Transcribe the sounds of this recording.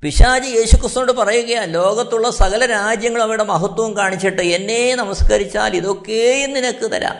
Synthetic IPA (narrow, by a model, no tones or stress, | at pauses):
piʂaːd͡ʑije̞ːɕukːrist̪unoːɖɨpɐrɐjuɣɐjaːnlo̞ːɡɐt̪ːuɭːɐsɐɣɐlɐɾaːd͡ʑjɐŋːɐɭɐʋiɽemɐɦɐt̪wɐʋɐmkaːɳit͡ɕːiʈːɨe̞nːe̞nɐmɐskɐɾit͡ɕːa̰ːliðo̞kːeinːinɐkːɨt̪ɐ̰ɾa̰ː